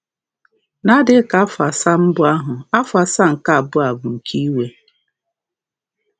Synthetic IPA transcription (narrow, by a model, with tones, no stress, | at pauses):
na˦dɪ˦ka˦fa˨sa˦m̩˦bʊ˦a˦ɦʊ˨a˦fa˨sa˦ŋ̩˨ka˦˨bʊ˦a˨bʊ˨ŋ̩˨kʰi˦we˨